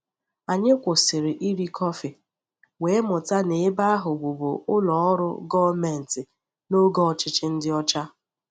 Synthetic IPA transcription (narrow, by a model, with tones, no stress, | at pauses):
a˨ɲe˦kʷo˨sɪ˨ɾɪ˨ʔi˦ɾi˦kʰɔ˦fɪ˨ | we˨˦mʊ˨ta˦ne˨˦ba˦a˦ɦʊ˨bu˨bo˨ʊ˦lɔ˨ɔ˦ɾʊ̰˦ɡɔ˦me˨n̩˨tɪ˨ | no˦ɡɔ˦˨t͡ʃɪ˦t͡ʃɪ˦n̩˦dɪ˦ɔ˦t͡ʃa˦